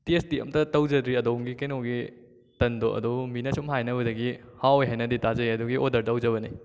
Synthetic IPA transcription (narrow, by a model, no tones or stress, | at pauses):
tiesdiɐ̰mtɐtɐwd͡ʒɐdɾiɐdomɡikenoɡi | tɐndoʔɐ̰dominɐsomɦajnɐbɐdɐɡihawojɦajnɐditazɐjɐdɔɡiʔodɐɾtwd͡ʒɐβɐni